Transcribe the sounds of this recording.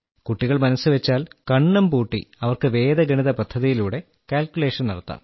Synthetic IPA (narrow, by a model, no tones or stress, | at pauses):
kuʈːiɣɐɭmɐnɐsɨʋet͡ɕːaːlkɐɳːɐmpuːʈːḭɐʋɐrkɨʋe̞ːðɐɡɐɳiðɐpɐd̪ʱːɐðijiluːɽe̞ | kaːlkʲjule̞ːʂɐnnɐɽɐt̪ːa̰ːm